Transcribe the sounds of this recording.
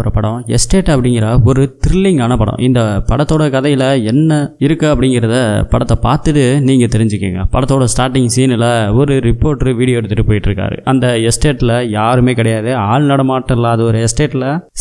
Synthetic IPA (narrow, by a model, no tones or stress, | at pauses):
ɾɐpɐɽõɛ̰sʈeːʈːɐpːɐɽɪŋɡɪɾɐɔɾɯt̪ɪɾɪlːɪŋɡaːnɐpɐɽõ̰ʔɪnd̪ɐpɐɽɐt̪ːoːɽɐkɐðɐjɪlɐɛnːɐɪɾɯkːɐɐpːɐɽɪŋɡɪɾɐðɯpɐɽɐt̪ːɐpa̰ːɾt̪ɯʈːɯniːŋɡɐt̪ɛɾɪɲd͡ʒɯkːḭːŋɡɐ̰pɐɽɐt̪ːoːɽɐsʈaːɾʈːɪŋsiːnɪlɐɔɾɯɾɪpːoːɾʈɾɯʋiːɽɪjoːɛɽɯt̪ːɯʈːɯpoːjɪʈːɪɾɯkːa̰ːɾɯ̰ʔɐnd̪ɐɛsʈeːʈːɪlɐjaːɾɯmeːkɪɽɐjaːðɯaːɻnɐɽɐmaːʈːɐlaːðɯɔɾɯɛsʈeːʈːɪlɐ